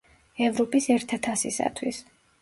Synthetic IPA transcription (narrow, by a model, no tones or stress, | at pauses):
ɛvɾɔpʼisɛɾt̪ʰat̪ʰasisa̰t̪ʰwis